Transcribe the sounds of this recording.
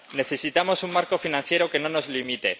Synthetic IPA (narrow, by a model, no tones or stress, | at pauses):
ne̞θe̞sit̪amo̞suŋmaɾko̞finãn̟θje̞ɾoke̞no̞no̞zlimit̪e̞